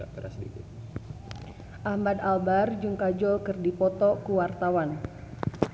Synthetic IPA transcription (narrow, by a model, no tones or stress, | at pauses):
akəɾa̰sədikɪt̪̚ | ʔahmad̪albard͡ʒuŋkad͡ʒɔkɨrdipɔt̪ɔkuwart̪awan